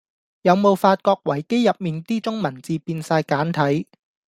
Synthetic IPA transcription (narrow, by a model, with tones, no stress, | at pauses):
jɐ˨˧wmo˨˧wfaː˧t̚kɔː˧k̚wɐ˨˩jke˥jjɐ˨p̚miː˨nt̪iː˥t͡sʊ˥ŋmɐ˨˩nt͡siː˨˧piː˧nsaː˧jkaː˨˥nt̪ʰɐ˨˥j